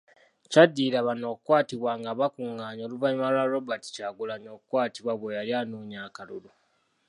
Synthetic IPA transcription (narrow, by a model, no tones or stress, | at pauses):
cadːiːɾaβano̞ːkukwaːtiβwaːŋɡaβakuŋɡaːɲo̞ːluvaɲimalwaɾobati̥caɡulaɲoːkukwaːtiβwaβwejaljaːnuːɲaːkalulu